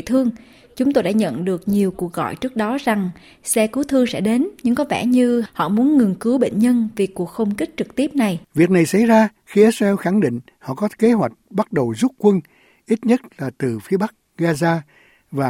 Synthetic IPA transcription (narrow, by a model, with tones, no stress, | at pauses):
t̪ʰɨ˧əŋ | t͡ɕʊ˨˦ŋ͡mt̪o˧jɗa̰ː˧˥ɲə̰˧˨nɗɨ˨˩ək̚ɲi˨˩əwku˨˩ək̚ɣɔ̰˧˨jt͡ɕɨ˦˥ək̚ɗɔ˨˦za˨˩ŋ | sɛ˧kɨ˨˦t̪ʰɨ˧əŋsɛ̰˧˥ɗe˨˦nɲɨ˧ŋkɔ˨˦vɛ̰˧˩ɲɨ˧hɔ̰˧˨mu˨˦ənŋɨ˨˩ŋkɨ˨˦wɓḛ˧˨ŋ̟ɲə˧nvi˨˩ku˨˩ək̚xə˧wŋ͡mki˦˥k̟̚t͡ɕɨ˨˩k̚t̪i˦˥əp̚na˨˩jvi˨˩ək̚na˨˩jsa˧˩jzaː˧xi˧ʔiː˦˥t̚za˧ɛ˧wxa˧˩ŋɗḭ̈˧˨ŋ̟ | hɔ̰˧˨kɔ˨˦ke˨˦ɦwa˨˩jk̟̚ɓa˦˥t̚ɗə˨˩wzu˦˥p̚kwə˧n | ʔi˦˥t̚ɲə˦˥t̚laː˨˩t̪ɨ˨˩fi˨˦ɓa˦˥k̚ɣaː˧zaː˧ | vaː˨˩